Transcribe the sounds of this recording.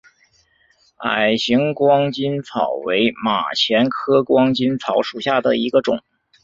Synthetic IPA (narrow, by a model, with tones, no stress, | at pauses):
a̰˨˩ɪɕi˧˥ŋkwɑ˥ŋt͡ɕi˥nt͡sʰɑ˨˩ʊwe˧˥ɪma̰˨˩t͡ɕʰjɛ˧˥nkʰɤ˥kwɑ˥ŋt͡ɕi˥nt͡sʰɑ˧˥ʊʂu˨˩ɕja˥˩d̪ə˩i˧˥ɡə˧ʈ͡ʂʊ˨˩˦ŋ